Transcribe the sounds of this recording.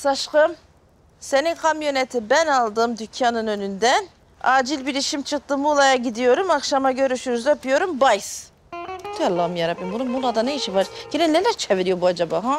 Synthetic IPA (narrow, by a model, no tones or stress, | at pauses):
saʃqɯm | seninkʰamjo̞nɛt̪ʰibænɑlˠd̪ɯmd̪ycʰjanɯnø̞nynd̪ɛn | aːd͡ʒilʲbiɾiʃimt͡ʃʰɯq̚t̪ɯmulˠajaɟid̪ijo̞ɾumɑkʃamaɟø̞ɾyʃyɾyzøpyjo̞ɾumbajs | d̪ialˠːamjaɾabimbununmulˠad̪aneiʃivaɾɟ̥enɛnelæɾt͡ʃʰeviɾijobuad͡ʒabaɦa